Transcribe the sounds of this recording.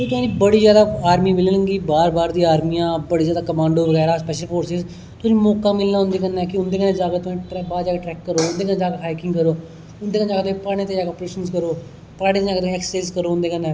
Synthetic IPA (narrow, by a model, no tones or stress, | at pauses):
eːt̪ʊãːniːbəɽiːzjaːd̪aːaːɾmiːmɪlːləŋɡiːbaːɾbaːɾd̪iːaːɾmijãːbəɽiːzaːd̪aːkəmãːɳɖoːʋəɡɛːɾaːspɛːʃəlpʰoːɾsɪz | t̪ʊnĩːmɔːkaːmɪlnaːʊ̃nd̪eːkənːaːkɪʊnd̪eːkənẽːd͡ʒaːkeːt̪ʊ̃ʈːbaːd̪d͡ʒaːkeːʈɾɛːkːəɾoːʊnd̪eːkənːd͡ʒaːkeaːkɪ̃ŋɡkəɾoː | ʊnd̪eːknːd͡ʒaːkeːt̪opaːɽ̃ẽːt̪ed͡ʒaːkeəpɾeːʃənzkəɾoː | paːɽẽːt̪ːd͡ʒaːket̪ːɛːksə̥saɪzkəɾoːʊ̃nd̪eːkənːɛː